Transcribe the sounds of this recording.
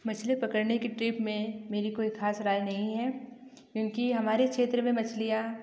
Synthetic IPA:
mɐt͡ʃʰlepɐkəɾnekeʈɾiːpmẽmeːɾikoːixaːsɾaːjnɐɦĩɦɛː | kjõːkiɦɐmaːɾekʃeːt̪ɾəmẽmɐt͡ʃʰlija

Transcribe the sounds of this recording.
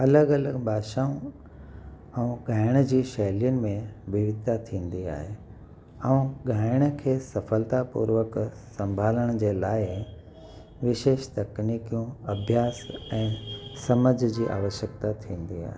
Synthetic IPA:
ɐləɡɐləɡbʱaːʃaːũ | ɛ̃ũɡʱaːɪɽ̃əd͡ʑiːʃɐɦlijənɪ̆mẽʋɪʋɪd̪ʱat̪ʰĩːnd̪ia̰ːɦe | ɛũɡʱaːɪɽ̃̆kʰeːsɐfəlt̪apṵːɾʋək | sɐ̃mbʱaːləɽ̃d͡ʑeːlaːɪ | ʋɪʃeːʃt̪ɐkniːkijũɐbʱjaːsɛ̃ːsɐməd͡ʑʱd͡ʑiːʔa̰ːʋəʃjək̚t̪at̪ʰĩːn̆d̪ia̰ːɦe

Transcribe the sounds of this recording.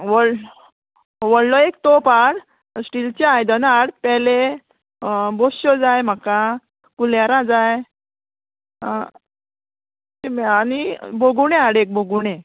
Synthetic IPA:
ʋəɽ | ʋəɽlɔek̚t̪opaɽ | sʈilt͡ɕeajd̪ənaɽpɛle | boɕɔd͡zajm̤aka | kuljaɾad͡zaj | t̪eaniboɡuñeaɽek̚boɡuɽ̃e

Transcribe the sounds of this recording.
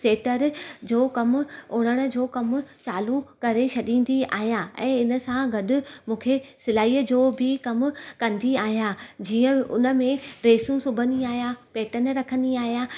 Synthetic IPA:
seːʈəɾd͡ʑoːkɐmʊoːɽ̃əɽ̃ə̆d͡ʑoːkɐmʊ̆t͡ɕaːlukɐɾet͡ɕʰɐɗĩːn̆d̪ia̰ːɦijaɛ̰̃ːɪnə̆sãɡɐɗʊ̆mũːkʰesɪlaːiːəd͡ʑoːbʱɪkɐmʊkɐ̃nd̪iaːɦjad͡ʑiːə̃ʊ̰nə̆mẽɾeːsũsʊbʱəniaːɦijapeːʈənɾɐkʰə̃nd̪iaːɦija

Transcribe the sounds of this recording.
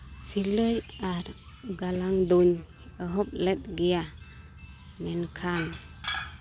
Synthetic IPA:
siləjaɾ | ɡalaŋd̪uɲ | əɦɔp̚lɛt̪̚ɡija | mɛnkʰan

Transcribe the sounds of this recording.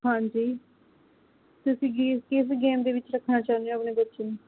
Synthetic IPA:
hãːɲd͡ʒiː | t̪ʊsĩːɡikɪsɡeːmd̪eːʋɪt͡ʃɾəkʰnaːt͡ʃãːnejoaəpneːbətːʃeːnũː

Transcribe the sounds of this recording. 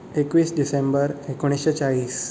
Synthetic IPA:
ekʋiːsɖisembəɾekoɽ̃isɕet͡ɕaɭiːs

